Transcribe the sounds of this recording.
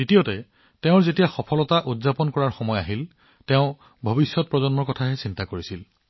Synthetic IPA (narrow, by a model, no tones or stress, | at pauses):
ditijɔtɛ | tɛʊ̃ɹzetijaxɔpʰɔlɔtaʔudzapɔnkɔɹaɹxɔmɔjaɦil | tɛʊ̃ | bʱobisjɔt̚pɹɔzɔnmɔɹkɔtʰaɦɛsintakoɹisil